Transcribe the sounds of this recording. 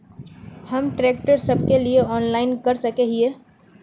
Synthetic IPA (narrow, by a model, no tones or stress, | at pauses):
hɐmʈɾeːk̚ʈəɾsɐb̚kelieɔːnlaːɪnkɐɾsɐkeːɦieː